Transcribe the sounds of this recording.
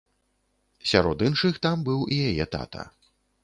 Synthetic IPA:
sʲaɾɔd̪ɨnʂɨxt̪ambɨwijajɛt̪a̰t̪ɐ̰

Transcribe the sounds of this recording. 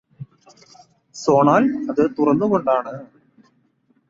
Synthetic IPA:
so̞ːɳaːlɐðɨt̪urɐnːuɣo̞ɳɖaːɳɨ

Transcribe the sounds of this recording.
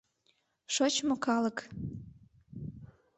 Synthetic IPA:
ʃot͡ɕmokɑlək

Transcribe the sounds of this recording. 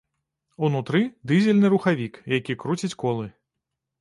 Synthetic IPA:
unut̪ɾɨd̪ɨzʲɛlʲnɨɾuxavʲikjakʲikɾut͡sʲit͡sʲkɔlˠɨ

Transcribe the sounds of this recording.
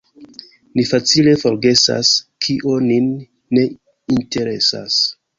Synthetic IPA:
nifat͡sile̞fo̞ɾɡe̞sa̰skʰiʔoninː | e̞ | inte̞ɾe̞sa̰s

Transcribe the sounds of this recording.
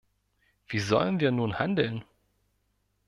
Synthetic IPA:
v̥iːzɔ̰lənviːɐnuːnha̰ndl̩n

